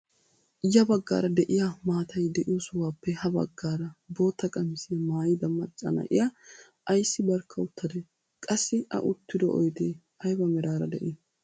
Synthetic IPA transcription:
jɐbɐɡːa̰ːɾɐd̪ɛʔɪjamaːt̪ʰɐjd̪ɛʔɪjosʊwaːpːɛhɐbɐ̰ɡːaːɾɐbo̞ːt̪ːɐkʼɐmɪsɪjɐmaːjɪd̪ɐmːɐt͡ʃʼːɐ̰nɐ̰ʔɪ̰jɐ | ʔɐjsːɪbɐɾkʰːɐʊt̪ːɐd̪e | kʼɐsːɪɐ̰ʔʊt̪ːɪd̪ɔʔɔ̰jd̪e | ɐjbɐmɛɾaːɾɐd̪ɛʔɛ

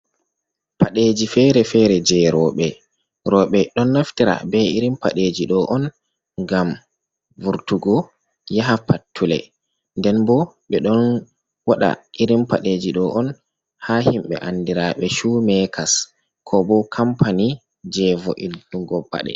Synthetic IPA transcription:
paɗed͡ʒifɛɾɛfɛɾɛd͡ʒɛɾɔɓɛ | ɾɔːɓɛɗɔnːaftiɾa̰bɛiɾimpa̰ɗeːd͡ʒiɗɔʔɔn | ŋɡam | vuɾtuɡɔ | jaɦapatʰːulɛ̰ | ndɛnbɔ | ɓɛɗɔn | waɗa̰ʔiɾimpaɗeːd͡ʒiɗɔʔɔn | hahimɓɛ̰ʔanːdiɾaɓɛʃumɛkʰas | kʰɔbɔkʰampani | d͡ʒɛvɔʔilduɡɔba̰ɗɛ̰

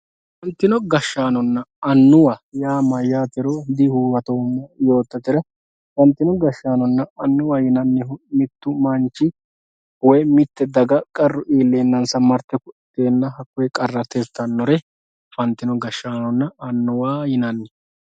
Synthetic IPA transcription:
fɐnt̪ːɪnɔɡɐʃːaːnɔnːɐɐnːʊwajaːmɐjaːt̪ɪɾɔd̪ɪhuːwɐt̪oːnːɐjo̞ːt̪ːɐt̪ɪɾɐ | fɐnt̪ːɪnɔɡɐʃːaːnɔnːɐɐnːʊwajɪnɐnːɛʊmɪt̪ːʊmɐnt͡ʃːɪ | wɔjmɪt̪ːɛd̪ɐɡɐkʼɐrːʊʔiːlːeːnːɐnsɐmɐɾt̪ːɛkʊɪt̪ːeːnːɐhɐkːɔjɛkʼɐrːɐt̪ɛst̪ːɐnːɔɾɛ | fɐnt̪ːɪnɔɡɐʃːaːnɔnːɐɐnːʊwaːjɪnɐnːɛ

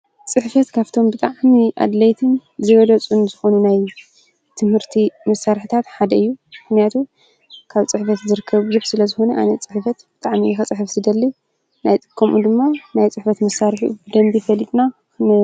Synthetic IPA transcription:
t͡sʼɨħfɐt̪kʰaβt̪ʰo̞mbɨt̪ʼaʕmiʔa̰d̪lɐjt̪ʰɨnzɨβɐd̪ɐt͡sʼunz̥ɨxo̞nunaj | t̪ʰɨmhɨɾt̪ʰimɐsːaɾħit̪ʰat̪ħad̪ɐɨjːumɨxnijat̪ʰu | kʰaβt͡sʼɨħfɐt̪zɨɾɨkʰːɐβɨzuħsɨlɐzɨxo̞nɐʔa̰nɐt͡sʼɨħfɐt̪b̥ɨt̪ʼaʕmijɛxɐt͡sʼɨħɨfsɨd̪ɐlːi | najt͡sʼɨkʰːomʔṵd̪ɨmːanajt͡sʼɨħfɐt̪mɐsaɾħibɨd̪ɐmbifɐlːit̪ʼna | n

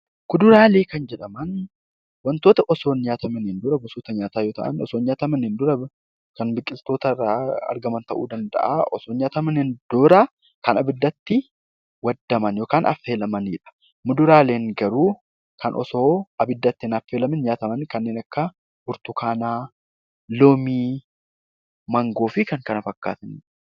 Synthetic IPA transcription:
kʊd̪ʊɾaːle̞ːkɐnd͡ʒɛᶑɐmɐn | wɐnt̪o̞ːt̪ɐʔɔso̞ːnɲaːt̪ɐmɐnɪnd̪ʊɾɐɡɔsuːt̪ɐɲaːt̪aːjoːt̪ɐ̰ʔɐ̰nɔ̰soːnɲaːt̪ɐmɐnɪnd̪ʊɾɐ | kɐnbɪkʼːɪlt̪o̞ːt̪ɐaːɐ̰ɾɡɐmɐnt̪ɐʔṵːd̪ɐnd̪ɐ̰ʔaːʔɔsoːnɲaːt̪ɐmɐnɪnd̪̥ʊɾɐ | kɐnɐbɪd̪ːɐt̪ːɪ | wɐd̪ːɐmɐnjo̞ːkaːnʔɐ̰feːlɐmɐniᶑɐ̥ | mʊd̪ʊɾaːle̞ːŋɡɐɾuː | kʰɐnʔɔ̰soːʔɐbɪd̪ːɐt̪ːɪnɐfːeːlɐmɪnɲaːt̪ɐmɐnkɐnːeːnɐkːɐ | bʊɾt̪ʊkaːnaː | loːmiː | mɐŋɡo̞ːfɪkɐŋkɐnɐfɐkːa̰ːt̪ɐn

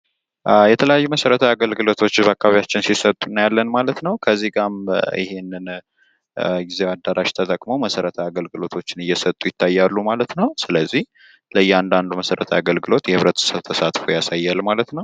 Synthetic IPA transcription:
jɛt̪ʰələjajːuməsəɾət̪ʰəaɡəlɡɨlo̞t̪ʰo̞t͡ʃːbakʼːaβjat͡ʃːɪnsisət̪ʼunːjalːənmalət̪nəwkʰəzːiɡʼamɪ̰he̞nːɨn | ɡizewad̪ːaɾaʃt̪ʰət̪ʼəkʼmo̞məsəɾət̪ʰəaɡəlɡɨlo̞t̪ʰo̞t͡ʃːɪnɨjːɛsət̪ʼːujɪt̪ʰːajːalːumalət̪nəwsɨləzːih | ləjːɛand̪and̪uməsəɾət̪ʰəaɡəlɡɨlo̞t̪jɛhɨβɾət̪səβt̪ʰəsat̪fojasajːalmalət̪nəw

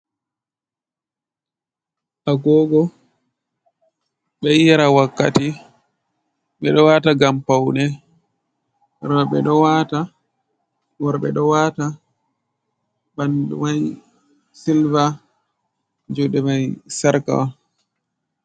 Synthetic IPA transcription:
ʔaɡɔɡɔ | ɓɛjjaɾawakːa̰ti | ɓɛɗɔwaːtaɡampawnɛ | ɾɔɓɛ̰ɗɔwata | wɔɾɓɛ̰ɗɔwaːta | bandṵmaj | silva | d͡ʒuɗɛmajsaɾka̰w

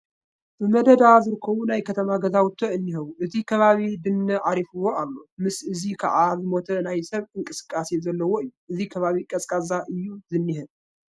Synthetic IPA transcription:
bɨmɐd̪ɐd̪azɨɾɨkʰːɐβunajkʰɐt̪ʰɐmaɡɐzawʊt̪ʰːoɨnːihɐβuʔɨt̪ʰikʰɐβaβid̪ɨnːɐʕaɾifɨwo̞alːo̞mɨsɨzikʰa̰ʕazɨmo̞t̪ʰɐnajsɐβɨŋkʼɨsɨ̥kʼːasezɐlːɐwoɨjːuʔɨzikʰɐβaβikʼɐsʼkʼazaʔɨjːuzɨnːihɨ

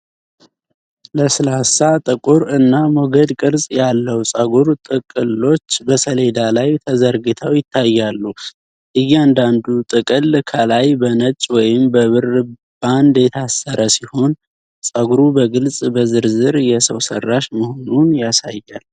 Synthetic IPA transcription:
ləsɨlasat̪ʼɨkʼuɾɨnːamoɡəd̪kʼɨɾsʼjalːəwsʼəɡuɾt̪ʼɨkʼɨlːo̞t͡ʃːbəsəle̞d̪alajt̪ʰəzəɾɡɨt̪ʰəwjɪt̪ʰːajːalːu | ʔɨjːɛand̪and̪ut̪ʼɨkʼɨlkʰəlajbənət͡ʃʼwɔjɪmbəβɨr | b̥and̪jɛt̪ʰasːəɾʔəsiho̞n | sʼəɡuɾubəɡɨlsʼbəzɨɾzɨɾjɛsəwsə̰rːaʃməho̞nunjasajːal

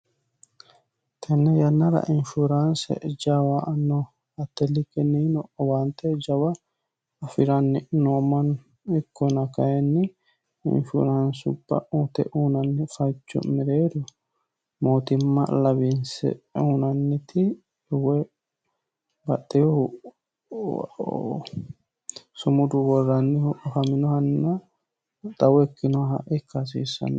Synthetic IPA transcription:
t̪ʰɛnːɛjɐnːɐɾɐ̰ʔɪnʃuɾansɛ̰d͡ʒawaʔɐnːɔ | ɐt̪ːɛlɪkːɛninɔʔɔwant̪ːɛd͡ʒɐwɐ | ɐfɪɾɐnːɪnoːmɐn | ɪkːɔnɐkɐjɛnːɪ | ɪ̰nfṵɾɐnsʊ̰bːɐ̰ʔuːt̪ɛ̰ʔuːnɐnːɪfɐjt͡ʃːɔ̰mɛɾeːd̪ʊ | moːt̪ɪmːɐ̰lɐbinsɛ̰uːnɐnːɪt̪ɪ | wɛ | bɐtːɛjɔ | sʊmʊd̪ʊwɔrːɐnːɪhʔɔhɐmɪnɔhɐnːɐ | d̪ɐwɔɛkːɪnɔɦɐ̰ʔɛkːɐs̬iːsːɐ̰nː

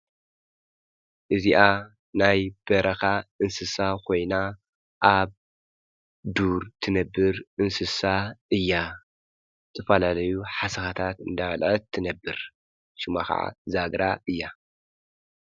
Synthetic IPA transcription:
ʔɨziʔa | najb̥ɐɾʔɐxaʔɨnsɨsakʰo̞jna | ʔaβ | d̪uɾt̪ʰɨnɐbːɨɾʔɨnsɨsaʔɨjːa | ɨt̪ʰɐfɐlalɐjuħasɐxat̪ʰat̪ɨ̰nd̪alʕɐt̪ʰːɨnɐbːɨɾ | ʃɪmaxɐ̰ʕa̰zaɡɾaʔɨjːa

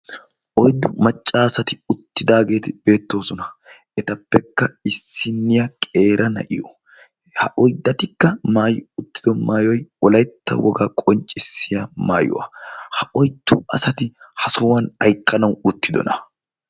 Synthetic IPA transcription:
ʔɔjd̪ːʊmɐt͡ʃʼːaːsɐt̪ɪʊt̪ːɪd̪aːɡe̞ːt̪ɪb̥e̞ːt̪ːo̞ːsɔnɐ | ɛt̪ɐpːɛkːɐɪsːɪnːɪjɐkʼe̞ːɾʔɐnɐ̰ʔɪjɔ | hɐʔɔjd̪ːɐt̪ɪkːɐmaːjʊʊt̪ːɪd̪ɔmaːjɔjwɔlɐjt̪ːɐ̰wɔɡaːkʼɔnt͡ʃʼːɪsːɪjɐma̰ːjʊ̰wɐ̰hɐʔɔjd̪̥ːʊɐsɐt̪ɪhɐsɔwɐnɐjkʼːɐnɐwʊt̪ːɪd̪ɔ̰nɐ

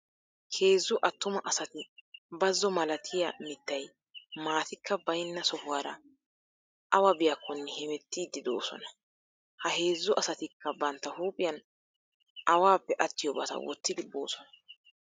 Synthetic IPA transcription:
kʰe̞ːzːʊʔɐt̪ːʊmɐʔɐsɐt̪ɪbɐzːɔmɐlɐt̪ʰɪjɐmɪt̪ːɐj | maːt̪ɪkʰːɐbɐjnːɐsɔhʊwaːɾɐ | ʔɐwɐbɪjɐkːɔnːɛhɛmɛt̪ːiːd̪ːɪd̪oːsɔ̰nɐ̥ | hɐhe̞ːzːʊʔɐsɐt̪ɪkːɐbɐnt̪ːɐhuːpʼɪjɐn | ʔɐwaːpːɛʔɐt̪ːɪjɔbɐt̪ɐ̰wɔ̰t̪ːɪd̪ɪbo̰ːsɔ̥nɐ̥

